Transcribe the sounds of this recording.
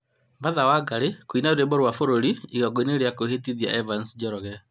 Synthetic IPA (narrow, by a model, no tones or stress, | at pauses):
baðawaɡaɾekoinaoɾebɔɾwafoɾoɾiiɣaɡoeneɾeakohetiðia̰ʔɛvansd͡ʒɛɾɔɣɛ